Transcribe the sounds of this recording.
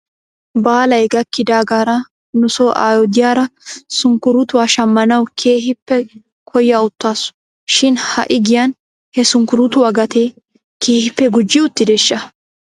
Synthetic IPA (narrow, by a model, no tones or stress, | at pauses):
baːlɐjɡɐkːɪd̪aːɡaːɾɐ | nʊsoːʔa̰ːjɔd̪ɪjaːɾɐsʊŋkʊɾʊt̪ʊwaːʃɐmːɐnɐwkʰe̞ːɦɪpːɛ | kʰɔjːaʊt̪ːaːsʊ̥ | ʃɪnhɐ̰ʔɪɡɪjɐn | hɛsʊŋkʊɾʊt̪ʊwaːɡɐt̪ʰeː | kʰeːhɪpːɛɡʊd͡ʒːɪʊt̪ːɪd̪ɛʃːɐ